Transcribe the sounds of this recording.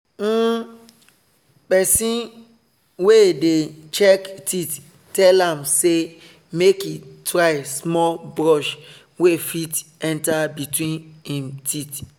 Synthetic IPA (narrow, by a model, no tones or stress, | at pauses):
pɛsĩn | wedet͡ʃɛktit | tːɛlãmse | mekitɹaɪsmɔlbɹɔʃ | wefitɛ̃ntabitwĩnhĩmtit